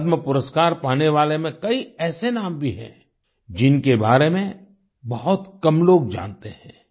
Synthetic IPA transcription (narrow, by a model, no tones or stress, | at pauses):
d̪məpʊɾəskaːɾpaːneʋaːlemẽkɐiɛːsenaːmbʱiɦɛ̰̃ː | d͡ʒɪnkebaːɾemẽ | bɐɦʊt̪kɐmloːɡd͡ʒa̰ːnt̪eɦɛ̰̃ː